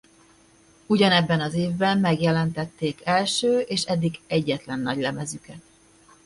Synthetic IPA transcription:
uɟɒnɛbːɛnɒzeːvbɛmmɛɡjɛlɛnt̪ɛt̪ːeːkɛlʃøːʔeːʃɛd̪ːiɡɛɟːɛt̪lɛnːɒɟlɛmɛzykɛt̪̚

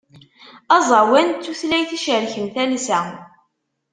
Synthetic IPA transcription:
ɑzˤɑwænt͡s̪ːuθlæjθiʃəɾçəmθælsæ

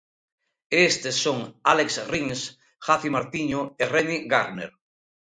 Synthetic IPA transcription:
est̪esːoŋaleksriŋs | xaθimaɾt̪iɲoereniɣaɾnḛɾ

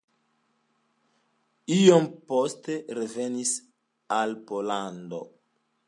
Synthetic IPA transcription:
iompo̞ste̞ɾeve̞nis | alpolando̰

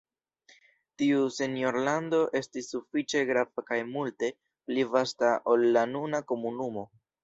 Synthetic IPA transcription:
tiuse̞njo̞ɾlando̞ʔe̞stisːufit͡ʃe̞ɡɾavakajmulte̞ | plivastaʔo̞lːanunako̞munumo̞

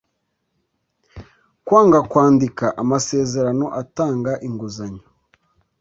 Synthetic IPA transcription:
kwaːŋɡakwaːndikaʔamase̞ːze̞ɾano̞ʔataːŋɡaʔiŋɡuzaɲo̥

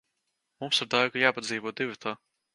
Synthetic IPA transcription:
mumsiɾd̪ajɡajaːpad̪ziːvɔd̪ivʲit̪ʰaː

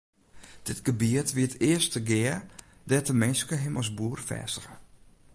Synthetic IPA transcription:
d̥ɪtɡ̥əbiətʋiətɪəstəɡɪə | dɛtəmɪnskəɦɪmɔs̬buərfɛ̰ːsəxə

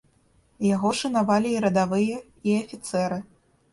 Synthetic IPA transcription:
jaɣɔʂɐnavalʲiːɾɐd̪avɨjɐ | iɐfʲit̪sɛɾɨ

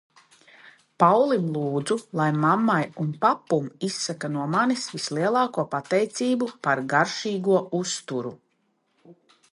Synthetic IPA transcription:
pawlˠimlˠuːd̪zulˠajmamːajunpapːumisːakanuɔmanisvislˠiɛlˠɑːkuɔpat̪ɛjt̪siːbupaɾɡaɾʃiːɡuɔʔust̪uɾu

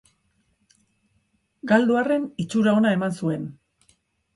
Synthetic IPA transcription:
ɡald̪uare̞nit͡ʃuɾao̞nae̞mansue̞n

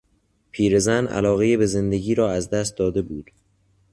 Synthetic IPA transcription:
pʰiːɾe̞zænʔæ̰lɒːɣejebeze̞nd̪eɟiːɾɒːæzd̪æst̪̚d̪ɒːd̪e̞buːd̪̥

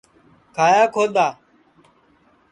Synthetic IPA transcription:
kʰaːjaːkʰoːd̪aː

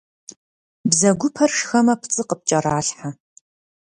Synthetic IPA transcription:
bzɐɡʷʊpʰɐrʂxɐmɐpʰt͡sʼɨqəp̚t͡ʃʼɐɾaːɬħa

